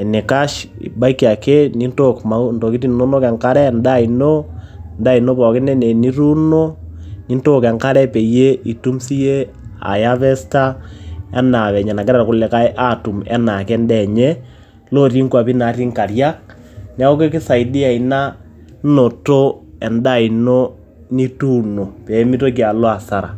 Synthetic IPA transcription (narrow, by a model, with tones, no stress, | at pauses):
ni˨ka˦ʃḭ˨ba˦i˦ki˨a˨ke˦ni˦nto˦kma˨˦u˦nto˨ki˦ti˦nno˦no˦kɛ˨ŋka˦ɾɛ˦nda˦ino˦ | nda˦i˨no˦pɔ˨kɪ˦nɛ˦ne˨ni˦ɾu˦no˦ni˦nto˦kɛ˨ŋka˦ɾɛ˦pe˨je˦ʔi˨tu˦msi˦je˦ | a̰˨ja˦βɛ˦sta˦ɛ˦na˨βɛ˨ɲɛ˨na˨kɛ˦ɾɛ˨kʊ˦lɛ˨ka˦jʔa˦tu˨mɛ̰˦na˨kɛ˦ndɛ˦˨ɲɛ˦ | lo˦ri˦ŋkwa˨pi˦na˨˦ri˦ŋka˨rja˦k̚ | nɛ˦ko˦ke˦kɪ˦sa˨idi˦a˨ina˦ | no˨to˦ɛ˨nda˦˨i˨no˦ | ni˦tu˦no˨pe˨˦mi˦to˦k̬i˨a˨lo˦a˨sa˨ɾa̰˨